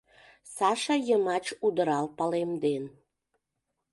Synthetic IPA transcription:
sɑʃɑjəmɑt͡ɕud̪əɾɑlpɑlemd̪en

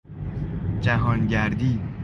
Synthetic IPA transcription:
d͡ʒæɦɒːnɟæɾd̪iː

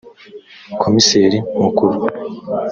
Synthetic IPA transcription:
kʰomiseːɾimukuɾu

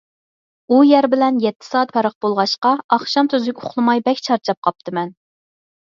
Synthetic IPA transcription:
ujæɾbɪlɛnjɛt̪ʰːɪ̥sɑːt̪pʰɑɾəq̚bolˠʁɑʃqɑɑχʃɑmt̪ʰøzɪkʲʊχlˠɨmɑjbɛkʲt͡ʃʰɑɾt͡ʃʰɑp̚qʰɑp̚t̪ʰɨmɛn

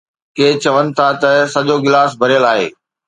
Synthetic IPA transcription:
keːt͡ɕɐʋənɪ̆t̪ʰat̪ɐsɐʄoɡɪlaːsbʱɐɾijəlaːɦḛː

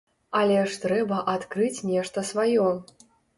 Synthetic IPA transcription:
ɐlʲɛʂt̪ɾɛbɐʔat̪kɾɨt͡sʲnʲɛʂt̪ɐsvajɔ

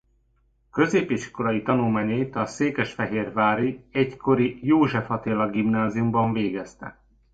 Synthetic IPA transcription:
kø̞zeːpiʃko̞lɒjit̪ɒnulmaːɲɒjit̪ɒseːkɛʃfɛɦeːrvaːɾiɛɟkʰo̞ɾijoːʒɛfɒt̪eːlɒɡimnaːzijumbɒɱveːɡɛst̪ɛ̰

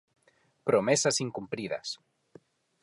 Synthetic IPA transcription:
pɾomesasiŋkumpɾiðɐ̰s

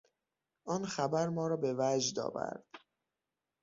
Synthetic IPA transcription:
ʔɒːnxæbæɾmɒːɾɒːbevæd͡ʒd̪ɒ̰ːvæ̰ɾd̪̥

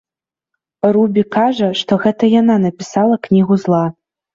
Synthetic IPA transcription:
rubʲikaʐɐʂt̪ɔɣɛt̪ɐjananɐpʲisalˠɐknʲiɣuzlˠa

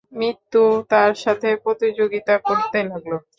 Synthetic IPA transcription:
mɾit̪ːut̪aɾʃat̪ʰepɾot̪id͡ʑoɡit̪akoɾt̪elaɡlo

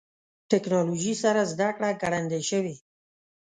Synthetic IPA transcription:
ʈɪknɑloʒisaɾazd̪akɽaɡaɽand̪eʃəwi

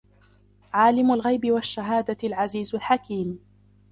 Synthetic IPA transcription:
ʕaːlɪmʊlɣajbɪwaʃːaɦaːd̪alʕaziːzʊlħakiːm

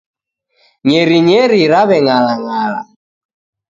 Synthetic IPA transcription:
ɲɛɾiɲɛɾiɾaβɛŋalaŋala̰

